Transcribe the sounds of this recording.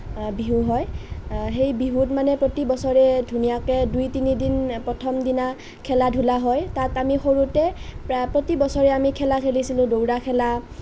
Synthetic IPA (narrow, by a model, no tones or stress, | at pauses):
biɦuɦɔjɦejbiɦutmanɛpɹotibɔsɔɹɛdʱunijakɛdujtinidinpɹɔtʰɔmdina | kʰɛladʱulaɦɔjtatamixoɹutɛppɹotibɔsɔɹɛamikʰɛlakʰelisilʊ̃dowɹakʰɛla